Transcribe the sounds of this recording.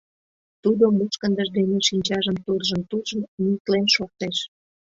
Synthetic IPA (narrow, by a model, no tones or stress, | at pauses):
t̪ud̪omuʃkənd̪əʒd̪eneʃiɲʲt͡ɕɑʒəmt̪urʒə̆mt̪urʒənnit̪lenʃor̚t̪eʃ